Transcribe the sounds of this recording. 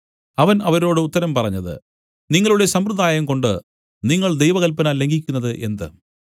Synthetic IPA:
ɐʋɐnɐʋɐɾo̞ːɽɨut̪ːɐɾɐmpɐrɐɲːɐðɨ̰ | niŋːɐɭuɽe̞sɐmrɨd̪aːjɐmko̞ɳɖɨ | niŋːɐɭd̪e̞jʋɐɣɐlpɐnaːlːe̞ŋɡik̬ʲːunːɐðɨʔe̞nd̪ɨ̰

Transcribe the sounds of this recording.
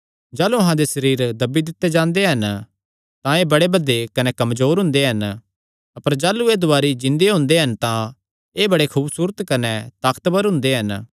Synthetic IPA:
d͡ʒaːluɐɦãd̪esɐɾiːɾd̪ɐbːid̪ɪt̪ːed͡ʒãːnd̪eɦɐn | t̪ãeːbɐɽebɐd̪ekɐnekɐmzoːɾɦʊ̃nd̪eɦɐn | ɐpəɾd͡ʒaːlueːd̪ʊaːɾid͡ʒɪ̃nd̪eɦʊ̃nd̪eɦɐnt̪ã | eːbɐɽekʰuːbsuːɾət̪kɐnɛt̪aːkt̪bəɾɦʊ̃nd̪eɦɐn

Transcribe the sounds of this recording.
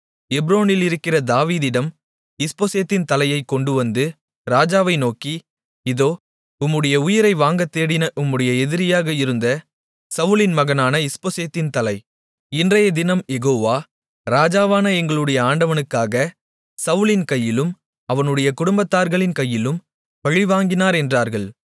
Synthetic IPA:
ɛbɾoːnɪlɪɾɯkːɪrɐd̪aːʋiːðɪɽɐm | ɪspoːseːt̪ːɪnt̪ɐlɐjɐɪkːɔɳɖɯʋɐnd̪ɯ | ɾaːd͡ʒaːʋɐɪnoːki | ɪðoː | ʊmːɯɽɐjɐʊjɪɾɐɪʋaːŋɡɐt̪ːeːɽɪnɐʔʊmːɯɽɐjɐɛðɪɾɪjaːɣɐɪɾɯnd̪ɐ | sɐʋɯlɪnmɐɣɐnaːnɐɪspoːseːt̪ːɪnt̪ɐlɐɪ | ɪndrɐjɐd̪ɪnɐmjɛɣoːʋaː | ɾaːd͡ʒaːʋaːnɐɛŋɡɐɭɯɽɐjɐaːɳɖɐʋɐnɯkːaːɣɐ | sɐʋɯlɪnkɐjːɪlɯm | ɐʋɐnɯɽɐjɐkʊɽʊmbɐt̪ːaːɾɣɐɭɪnkɐjːɪlɯm | ʋɐɻɪʋaːŋɡɪnaːɾɛndraːɾɣɐɭ

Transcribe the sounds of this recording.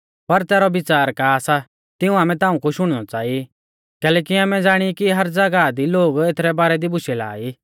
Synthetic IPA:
pɐɾt̪ɛːɾɔbɪt͡saːɾkasa | t̪ɪũaːmɛ̃t̪ãːũkʊʃʊɽ̃nɔt͡saːi | kɛːlɛːk̬iaːmɛ̃d͡zaːɽ̃ikiɦɐɾd͡zɐɡad̪iloːɡet̪ʰɾɛbaːɾɛd̪ibʊʃɛla̰ːiː

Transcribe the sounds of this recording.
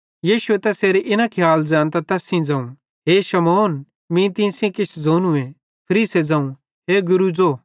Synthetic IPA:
jiːʃuet̪ɛseːɾeʔɪnakʰjaːld͡zãːnt̪̬at̪ɛːsĩd͡zãːũ | ɦeːʃɐmoːn | mĩt̪̬ĩsjẽkɪt͡ʃʰd͡zoːnũẽ | pʰɐɾiːsed͡zãːũ | ɦeːɡʊɾud͡zoː

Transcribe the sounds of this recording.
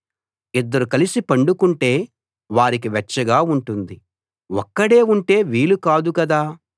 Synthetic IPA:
id̪ːɐɾukɐlisipɐɳɖukuɳʈe̞ː | ʋaːɾik̬iʋɛt͡ʃːɐɡaːuɳʈund̪i | ɔkːɐɽe̞ːuɳʈe̞ːʋiːlukaːd̪ukɐd̪aː

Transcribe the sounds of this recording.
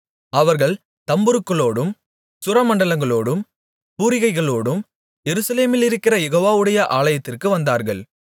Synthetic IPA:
ɐʋɐɾɣɐɭ | t̪ɐmbɯɾɯkːɐɭoːɽɯm | sʊɾɐmɐɳɖɐɭɐŋɡɐɭoːɽɯm | puːɾɪɣɐɪɣɐɭoːɽɯm | jɛɾɯsɐleːmɪlɪɾɯkːɪrɐjɛɣoːʋaːʋɯɽɐjɐʔaːɭɐjɐt̪ːɪrkɯʋɐnd̪aːɾɣɐ̰ɭ

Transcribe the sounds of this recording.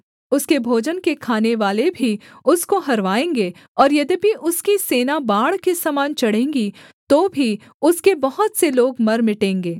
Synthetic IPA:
ʊskebʱoːd͡ʒənkekʰaːneʋaːlebʱiʊskoɦɐɾʋaːẽːŋɡeː | ɔːɾjɐd̪ibʱiʔʊskiseːnabaːɽkesamaːnt͡ʃɐɽ̤ẽːŋɡi | t̪oːbʱi | ʊskebɐɦʊt̪seloːɡmɐɾmɪʈẽːŋɡeː

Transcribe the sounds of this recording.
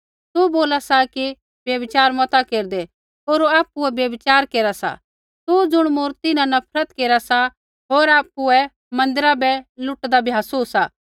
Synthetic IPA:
t̪uboːlasaki | bjɐbɪt͡ʃaːɾmɔt̪akeːɾd̪ɛ | oːɾaːp̚ːuɛbjɐbɪt͡ʃaːɾkeːɾasa̰ | t̪ud͡zʊɽ̃mʊːɾt̪ɪnãnɐpʰɾət̪keːɾasa | ɦoːɾaːp̚ːuɛ | mɐ̃nd̪ɪɾabɛlʊʈd̪abʱiɦasuːsaː

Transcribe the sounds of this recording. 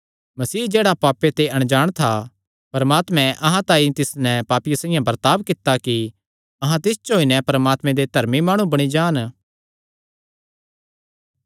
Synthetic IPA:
mɐsiːd͡ʒeːɽapaːpet̪eɐɽ̃d͡ʒaːɽ̃t̪ʰa | pɐɾmaːt̪mɛ̃ʔɐɦãt̪ãːit̪ɪsnɛpaːpijasãːɪjãbɐɾt̪aːbkɪt̪aki | ɐɦãt̪ɪst͡ʃɦoːinɛpɐɾəmaːt̪mɛ̃d̪ed̪ʱɐɾmimaːɽ̃ũbɐɽ̃id͡ʒaːn

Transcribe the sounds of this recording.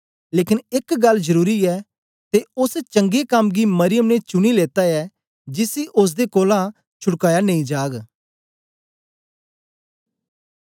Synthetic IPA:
leːkɪnɪkɡɐlzəɾuːɾiɛː | t̪eʊst͡ʃə̃ŋɡekɐmɡiːməɾɪjəmnet͡ʃʊɽ̃iːleːt̪aɛː | d͡ʒɪsiʔʊs̬d̪eːkoːlã | t͡ʃʰʊɽkaːjanẽĩd͡ʒaːɡ

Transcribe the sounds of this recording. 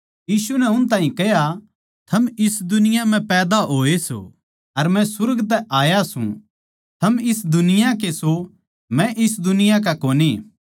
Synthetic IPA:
jiːsunɛʊnt̪̬aːɦĩkɛɦja | t̪ʰɐmɪsd̪ʊnɪjãm̤ɛ̃pɛːd̪aɦoːeso̰ | ɐɾmɛ̃sʊɾɡt̪̬ɛʔaːjasṵ̃ | t̪ʰɐmɪs̬d̪ʊnɪjãk̬eso | mɛ̃ʔɪs̬d̪ʊnɪjãk̬akoːni

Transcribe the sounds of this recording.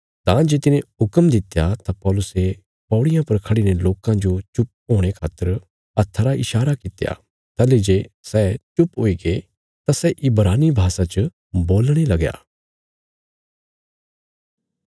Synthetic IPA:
t̪ãːd͡ʒeːt̪ɪnẽɦʊkəmd̪ɪt̪jat̪apɔːlʊse | pɔːɽɪjãpɐɾkʰɐɽineloːkãd͡ʒot͡ʃʊp̚oːɽ̃ekʰaːt̪ːəɾ | ɐt̪ʰːəɾaʔɪʃaːɾakɪt̪ja̰ | t̪ɐled͡ʒeːsɛt͡ʃʊpɦoːiɡe | t̪asɛʔɪbɾaːnibʱaːsat͡ʃə | boːlɽ̃elɐɡja̰ː

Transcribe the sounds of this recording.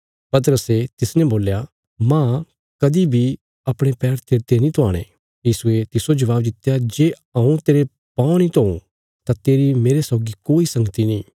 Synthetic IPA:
pɐt̪̬əɾəset̪ɪsnɛ̃boːlja | mã | kɐd̪ibʱi | ɐpɽ̃ẽpɛːɾt̪ʰeːɾt̪enĩt̪ʰʊaːɽ̃ḛ̃ | jiːsuet̪ɪsod͡ʒɐʋaːbd̪ɪt̪ːjad͡ʒeː | ɐ̃ũt̪eːɾe | pãːnĩt̪oṵ̃ | t̪at̪eːɾimeːɾesɔːɡikoːisɐ̃ŋɡət̪inĩː

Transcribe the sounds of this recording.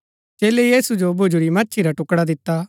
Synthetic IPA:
t͡ʃeːlejiːsud͡ʒobʱʊd͡ʒuɾimɐtːt͡ʃʰiɾaʈʊkɽad̪ɪt̪ːaː

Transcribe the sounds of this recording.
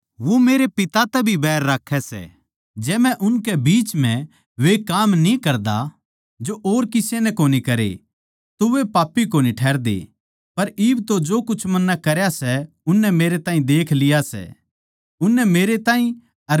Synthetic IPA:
ʋomeːɾepɪt̪at̪ɛbʱibɛːɾːakʰːɛsɛ̰ | d͡ʒɛːmɛ̃ʔʊnkɛbiːt͡ʃm̤ɛ̃ | ʋekaːmnĩkɐɾd̪a̰ | d͡ʒoʔoːɾkɪsenɛkoːnikɐɾḛ | t̪oʋepaːpːikoːniʈʰɛːɾd̪ḛ | pɐɾiːbt̪od͡ʒoːkʊt͡ʃʰmɐnːakɐɾjasɛ | ʊnːɛmeːɾet̪aːĩd̪eːkʰlɪjasɛ̰ | ʊnːɛmeːɾet̪aːĩ | ɐɾ

